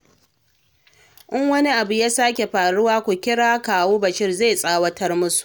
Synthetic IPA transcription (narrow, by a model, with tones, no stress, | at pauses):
ʔɪ˦ŋwɐ˦ni˦ʔa˨bu˨ja˦saː˦kʲe˨ɸaː˨ɽʊ˦waː˦kʷu˨kʲɪ˦ɽaː˦kaː˨woː˦bɐ˨ʃɪ˦rza˦˨sʼaː˦wɐ˦tɐ˦rmʊ˦su̥˨ʔ